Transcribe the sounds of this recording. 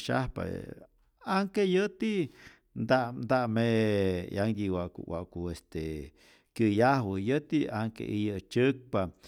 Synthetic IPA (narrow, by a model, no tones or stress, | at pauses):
ʃa̰hpa̰ | aŋkejət̪i | nd̪aʔnd̪aʔmejaŋd̪iwakṵwa̰ʔkuest̪e | kjəjahwɨjət̪iaŋkḛʔijət͡ʃək̚pa